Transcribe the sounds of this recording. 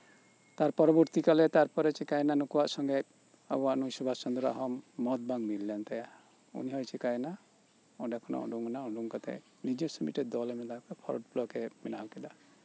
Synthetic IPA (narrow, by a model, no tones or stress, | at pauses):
t̪aɾpɔɾɔbɔɾt̪ikalɛt̪aɾpɔɾɛt͡ʃikajnanukuwaʔsɔŋɡɛ | a̰waʔnuisubʱast͡ʃɔnd̪uɾa̰ʔɦɔmːɔt̪̚baŋmiɾljant̪aja | ṵniɦɔjt͡ʃʰikajna | ɔɖakʰɔnɔ̰ʔɔ̰ɖuŋɡnaɔɖuŋkat̪ɛ̰ | nid͡ʒɔsɔmḭt̪ʈɛd̪ɔlɛmɛd̪akɔpʰɔ̰ɾɔɖ̚pʰlɔkeminaɦwkid̪a